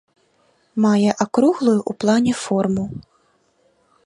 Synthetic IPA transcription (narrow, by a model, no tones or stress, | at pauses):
majɛʔakɾuɣlˠujuʔuplˠanʲɛfɔrmu